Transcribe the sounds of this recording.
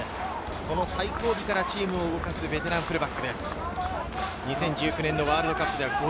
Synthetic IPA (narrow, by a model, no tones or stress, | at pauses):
ko̞no̞saiko̞ːbʲikaɾat͡ɕiːmɯ̟o̞ɯɡo̞kasɨbe̞t̪e̞ɾãm̃pɯɾɯ̟bakːɯ̟d̪e̞sɨ̥ | ɲ̟isẽ̞ɲ̟d͡ʑɨːkʲɯ̟ne̞nːo̞βaːɾɯ̟d̪o̞kapːɯd̪e̞βaɡo